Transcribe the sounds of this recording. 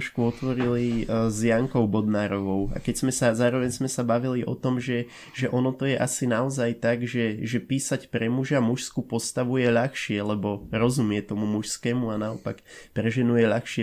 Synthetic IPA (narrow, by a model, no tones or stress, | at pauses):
ʃkuɔt̪ʋɔɾilizjaŋkɔʊbɔd̪naːɾɔʋɔʊa̰kɛɟz̥mɛsazaːɾɔʋɛɲzmɛsabaʋiliʔɔ̰t̪ɔmʒɛ | ʒɛʔɔnɔt̪ɔjɛʔasinaɔzajt̪aɡʒɛʒɛpiːsacpɾɛmuʒamuʃskupɔst̪aʋujɛʎaxʃɪɛlɛbɔɾɔzumɪɛt̪ɔmumuʃskɛːmuanaɔpakpɾɛʒɛnujɛʎaxʃɪɛ